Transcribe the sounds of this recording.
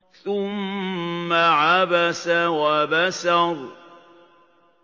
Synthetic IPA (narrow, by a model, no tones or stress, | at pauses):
θʊmː | aʕabasawabasaɾu